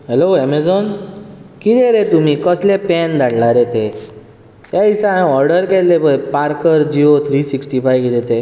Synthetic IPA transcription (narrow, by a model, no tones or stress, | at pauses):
ɦɛloɛmed͡zɔn | kit̪eɾet̪umikɔslepɛnd̪aɽlaɾet̪e | t̪aisãɔɾɖəɾkɛllepəpaɾkəɾd͡ʑiot̪ʰɾisiksʈifajkid̪et̪e